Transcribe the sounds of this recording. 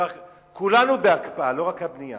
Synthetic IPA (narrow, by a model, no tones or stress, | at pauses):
a | kulanubeakpaalo̞ʁakhabnija̰